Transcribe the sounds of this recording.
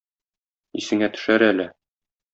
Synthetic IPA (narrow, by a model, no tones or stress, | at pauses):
isɘ̆ŋæt̪ɵ̥̆ʃæɾælɘ